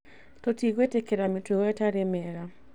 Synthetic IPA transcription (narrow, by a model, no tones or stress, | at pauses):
totiɣetekeɾametweɣɔetaɾemɛɾa